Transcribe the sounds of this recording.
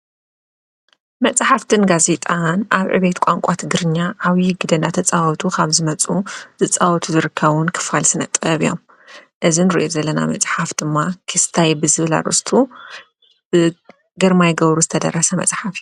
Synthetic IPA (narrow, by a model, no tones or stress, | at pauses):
mɐt͡sʼħaft̪ʰɨnɡaze̞t̪ʼanʔaβʕɨ̰βe̞t̪kʷʼaŋkʷʼat̪ʰɨɡɨɾɨɲːaʔaβiɡɨd̪ɐnat̪ʰɐt͡sʼawɔt̪ʰukʰaβzɨmɐt͡sʼuzɨt͡sʼawɔt̪ʰuzɨɾɨkʰːɐβʊnkʰɨ̥falsɨnɐ̰t̪ʼβijo̰m | ʔɨzinɨɾḭʔozɐlːɐna̰mɐ̰t͡sʼħafd̪̥ɨmːakʰɨst̪ʰajbɨzɨβla̰ɾɨ̰st̪ʰu | b̥ɨ | ɡɐɾmajɡɐβɾuzɨt̪ʰɐd̪ɐ̰ɾɐsɐmɐ̰t͡sʼħafi̥